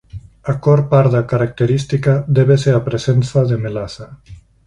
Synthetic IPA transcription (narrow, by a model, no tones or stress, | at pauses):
akɔɾpaɾd̪akaɾak̚t̪eɾist̪ikad̪ɛβeseapɾezensaðemelasa